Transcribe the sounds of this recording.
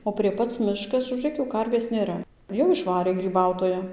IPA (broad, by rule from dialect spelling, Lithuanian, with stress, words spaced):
oː pʲrʲiɛ ˈpɐt͡s ˈmʲɪʃkɐs ʒuːˈrʲeːk jɛʊ ˈkɐrʲʋʲeːs nʲeːˈrɐ jɛʊ ɪʃˈʋɑːrʲeː ɡrʲiːˈbɐʊtoːjɛ